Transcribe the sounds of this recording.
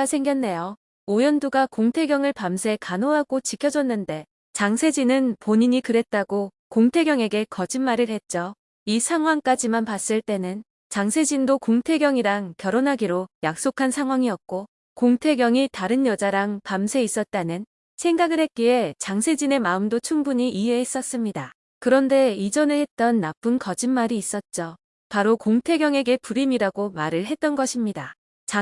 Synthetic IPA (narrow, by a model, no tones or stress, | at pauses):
sʰe̞ŋɡjʌnːe̞jo | ojʌnduɡakoŋtʰe̞ɡjʌŋɯɭpamsʰe̞kanoɦaɡot͡ɕikʰjʌd͡ʑʌnːɯnde̞ | t͡ɕaŋsʰe̞d͡ʑinɯnpoɲiɲikɯɾe̞t̚t͈aɡo | koŋtʰe̞ɡjʌŋe̞ɡe̞kʌd͡ʑinmaɾɯɭhe̞t̚t͡ɕ͈o | isʰaŋɦwaŋk͈ad͡ʑimanpas͈ɯɭt͈e̞nɯn | t͡ɕaŋsʰe̞d͡ʑindokoŋtʰe̞ɡjʌŋiɾaŋkjʌɾonɦaɡiɾojak̚s͈okʰansʰaŋɦwaŋiʌtk̚k͈o | koŋtʰe̞ɡjʌŋitaɾɯnjʌd͡ʑaɾaŋpamsʰe̞is͈ʌt̚t͈anɯn | sʰe̞ŋɡaɡɯɾɦe̞k͈ie̞t͡ɕaŋsʰe̞d͡ʑine̞maɯmdot͡ɕʰuŋbuɲiʔiɦe̞ɦes͈ʌs͈ɯmɲida | kɯɾʌnde̞id͡ʑʌnɯɭhe̞t̚t͈ʌnːap͈ɯnkʌd͡ʑinmaɾiːs͈ʌt̚t͡ɕ͈o | paɾokoŋtʰe̞ɡjʌŋe̞ɡe̞puɾimiɾaɡomaɾɯɭɦe̞t̚t͈ʌnɡʌɕʰimɲida | t͡ɕ